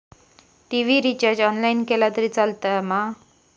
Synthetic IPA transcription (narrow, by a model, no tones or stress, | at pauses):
ʈiʋiɾit͡ɕəɾd͡ʑɔnlainkelat̪əɾit͡salt̪əma